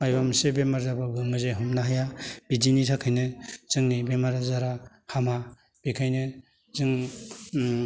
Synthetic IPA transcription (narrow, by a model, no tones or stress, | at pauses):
majbamsebemaɾzabaɡɯŋmɯzeɦumnaɦajab̥id͡ʒinitʰakʰajnɯz̥ɯŋnibemaɾazaɾa | hama | b̥ikʰajnɯ | zɯŋ